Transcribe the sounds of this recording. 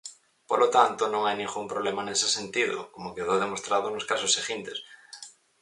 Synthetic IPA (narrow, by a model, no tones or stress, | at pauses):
polot̪ant̪onõŋajnĩŋɡumpɾoβlemanesesent̪iðo̰komokeð̞owðemost̪ɾað̞onoskasosːeɣint̪es